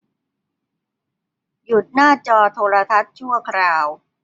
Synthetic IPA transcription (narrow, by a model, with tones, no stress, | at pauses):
ju˨˩t̪̚naː˥˩t͡ɕɔː˧t̪ʰoː˧ɾa˧t̪ʰa˦˥t̪̚t͡ɕʰu˥˩ɐkʰɾaː˧w